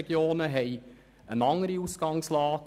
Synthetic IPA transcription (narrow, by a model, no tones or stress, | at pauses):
ɡ̥joːnəɦɛɪ | ənɑŋəɾiusɡ̥ɑŋslɑːk